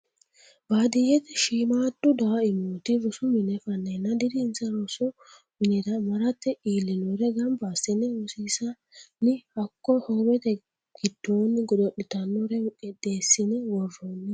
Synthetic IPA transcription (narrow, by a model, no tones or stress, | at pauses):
baːd̪ɪjɛt̪ɛʃiːmaːtːʊd̪ɐɐɪmoːt̪ɪɾʊsʊmɪnɛfɐnːɐnːɐd̪ɪd̪ɪːnsɐɾɔsʊ | mɪnɛd̪ɐmɐɾɐt̪ːɛiːlːɪnɔɾɛɡɐmbaːsɪnɛwɔsiːsɐ | nɪhɐkːɔhobɛt̪ɛ | ɡ̥ɪd̪̥ːoːnːɡɔd̪ɔɗɪt̪ɐnːɔɾɛʔɛd̪eːsːɪnɛwɔrːɔnːɛ